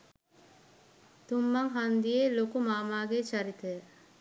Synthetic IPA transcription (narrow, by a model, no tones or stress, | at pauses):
t̪umːɐŋɦand̪ijeːlokumaːmaːɡet͡ʃɐɾit̪əjə